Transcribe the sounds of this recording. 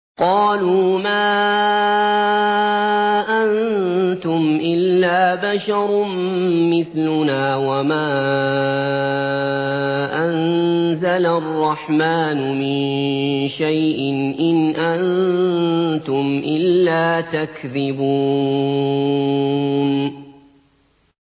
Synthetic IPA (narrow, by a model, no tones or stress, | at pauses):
qɑːluːmaː | ʔant̪ʊmʔɪlːaːbaʃɑɾˤmmɪθlʊnaːwamaː | ʔanzalaʔrˤːɑħmaːnʊmɪnʃajʔɪnʔɪnʔan | t̪ʊmʔɪlːaːt̪akðɪbuː | n